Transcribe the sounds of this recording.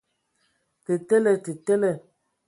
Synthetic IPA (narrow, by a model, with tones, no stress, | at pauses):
te˨tɛ˦lɛ˨te˨tɛ˦lɛ˦˨